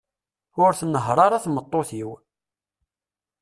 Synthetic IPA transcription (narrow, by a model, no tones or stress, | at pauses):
ʊɾθənːəɦɾˤɑɾˤaθmət̪ˤːoθiw